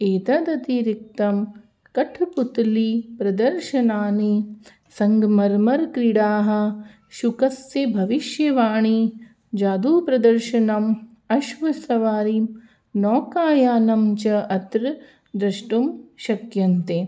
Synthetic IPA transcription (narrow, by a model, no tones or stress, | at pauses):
eːt̪aːd̪ɐt̪iɾik̚t̪ɐm | kɐʈʰput̪lipɾɐd̪ɐɾʃɐnaːni | sɐŋɡmɐɾmɐɾkɾiɽaːɦɐ̆ | ʃukɐsjɐbʱɐʋiʃjɐʋaːɳi | d͡ʒaːd̪uːpɾɐd̪ɐɾʃɐnɐm | ɐʃʋɐsɐʋaːɾi | nɔːkaːjaːnɐmt͡ʃɐʔɐt̪ɾ | d̪ɾɐʃʈumʃɐkjɐnt̪e